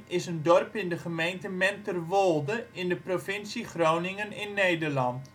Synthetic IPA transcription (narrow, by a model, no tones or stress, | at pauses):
ɪsəndɔrpɪndəχəmejntəmɛntərʋolˠdəɪndəprofɪnsiχrownɪŋənɪnːejdərlɑnt